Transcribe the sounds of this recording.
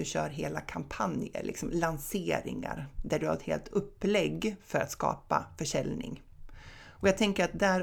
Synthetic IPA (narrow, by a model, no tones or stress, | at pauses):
ɵɕœːɾɦeːlakʰampʰanjə̰ɾlʔɪ̰ksɔmlanseːɾɪ̰ŋa̰ɾd̪æɖɵhaɾɛt̪hḛːlt̪ʰɵpːlɛɡːfœɾa̰t̪skɑ̰ːpafœʂɛlnɪ̰ŋ | ʔɔjaːɡ̚t̪ʰɛŋkəɾat̪̚d̪æɾ